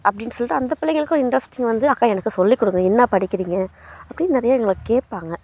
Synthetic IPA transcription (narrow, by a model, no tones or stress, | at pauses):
ʔɐpːɐɽɪnːsɔlːɪʈːɯɐnd̪ɐpɪlɐŋɡɐɭɯkːõɪɳɖɾɐsʈɪŋɡʋɐnd̪ɯɐkːaːɛnɐkːɯsɔlːikːɔɽɯŋɡɐɪnːaːpɐɽɪkːɪɾiːŋɡɐɐpːɐɽɪnːnɪɾɐjaːɛŋɡɐɭɯkːɯkeːʈ̚paːŋɡɐ